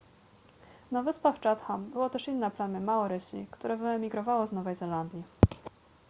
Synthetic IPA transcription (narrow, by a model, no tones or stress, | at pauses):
nɔvɘspaft͡ʂat̪xambɘwɔt̪ɛʂinːɛplamʲɘmaɔɾɘɕʲḭkt̪uɾɛvɘɛmʲiɡɾɔvawɔznɔvɛjzɛland̪ʲji